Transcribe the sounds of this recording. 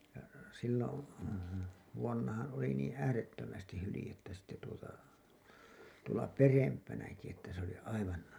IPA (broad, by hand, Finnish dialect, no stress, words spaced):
jɑ silːon ʋuonːɑhɑ̃ː oli niːn̞ æːretːømæstih hylĭjetːæ sitːe tuotɑ tuolɑ perempænæki etːæ se oli ɑiʋɑn